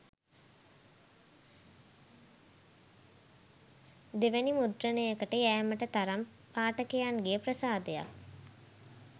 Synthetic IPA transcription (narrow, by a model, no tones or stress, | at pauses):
d̪eʋænimud̪ɾənəjəkəʈəjæːməʈət̪aɾam | paːʈəkejaŋɡejəprəsaːd̪eja̰k